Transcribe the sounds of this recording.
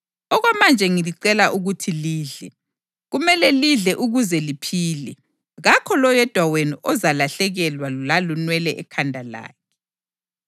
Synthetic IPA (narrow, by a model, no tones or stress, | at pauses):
ɔɣwamand͡ʒʱɛŋiliǀɛlaʔuɣutʰiliːɮɛ | ɣumɛlɛliɮɛʔuɣuzɛlipʰiːlɛ | ɣakʰɔlɔjɛd̥ʱwaweniʔɔzalaɬɛɣɛlwaulalunwɛlɛʔɛkʰandʱala̰ːkʰɛ̥